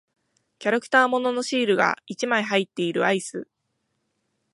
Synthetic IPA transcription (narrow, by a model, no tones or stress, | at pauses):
kʲaɾakɯ̟̥t̪aːmo̞no̞no̞ɕiːɾɯ̟ɡa̰it͡ɕimaiɦait̪ːe̞iɾɯ̟aisɨ